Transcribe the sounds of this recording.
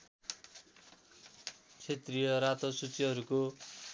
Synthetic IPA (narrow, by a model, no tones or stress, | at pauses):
t͡sʰet̪rijʌɾat̪osut͡siɦʌɾuko